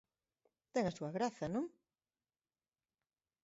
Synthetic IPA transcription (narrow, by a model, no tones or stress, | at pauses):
t̪ɛŋɐsuɐɣɾaθɐnõŋ